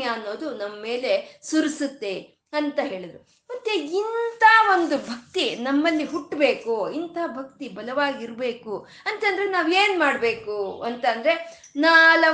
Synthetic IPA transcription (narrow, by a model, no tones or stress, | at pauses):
jɐɐnːo̞ːd̪unɐmːɐme̞ːle̞suɾisut̪ːe̞ | ɐnt̪ɐɦe̞ːɭid̪ɾu | mɐt̪ːeint̪ʰaːʋo̞nd̪ubʱɐk̚t̪inɐmːɐlːiɦuʈːbe̞ːkuint̪ʰaːbʱɐk̚t̪ibʱɐlɐʋaːɡiiɾbe̞ːku | ɐnt̪ɐnd̪ɾenaːʋe̞ːnmaːɽbe̞ːkuɐnt̪ɐnd̪ɐɾe̞ | naːlɐ